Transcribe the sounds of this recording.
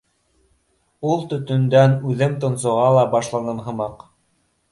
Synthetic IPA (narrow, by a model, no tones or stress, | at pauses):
ulˠt̪ɵ̆t̪ɵ̆nd̪ænʉðɘmt̪ŏnsŏʁɑlˠɑbɑʃlˠɑnɤnɦɤ̆mɑq